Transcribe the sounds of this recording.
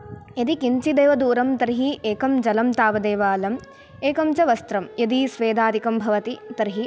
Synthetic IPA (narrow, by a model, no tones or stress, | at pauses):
jɐd̪ikiɲt͡ʃid̪eːʋɐd̪uːɾɐmt̪ɐɾɦiʔeːkɐmd͡ʒɐlɐmt̪aːʋɐd̪eːʋaːlɐm | eːkɐmt͡ʃɐʋɐst̪ɾɐmjɐd̪isʋeːd̪aːd̪ikɐmbʱɐʋɐt̪it̪ɐɾɦi